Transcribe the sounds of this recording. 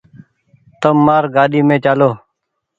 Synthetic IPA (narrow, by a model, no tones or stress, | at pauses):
t̪əmːaːɾɡaːɗiːmẽːt͡ʃaːloː